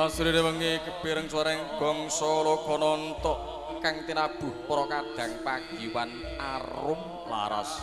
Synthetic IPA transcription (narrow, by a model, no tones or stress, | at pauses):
asuɾinewəŋekəb̥eɾəŋswaɾɛŋb̥ɔ̤ŋsɔlɔkʰɔnɔnt̪ɔʔ | kaŋt̪inab̥ṳhpɔɾɔkad̪̥a̤ŋpaɡ̥iwan | a̰rʊm | la̰ɾa̰s